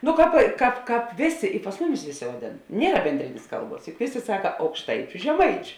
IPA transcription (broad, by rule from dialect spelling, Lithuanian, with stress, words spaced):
nʊ ˈkɑːp ˈkɑːp ˈkɑːp ˈʋʲeːˌsʲeː ɪ pɐs ˈmʊˌmʲɪs ˈʋʲeːˌsʲeː ʋɐˈdʲeːn ˈnʲiɛrɐ bʲɛnʲˈdʲrʲɪnʲeːs ˈkɐlˠˌbuɔs jʊk ˈʋʲeːˌsʲeː ˈsɑːkɐ ɐʊkʃˈtɐɪt͡ʃʲʊ ʒʲɛˈmɐɪt͡ʃʲʊ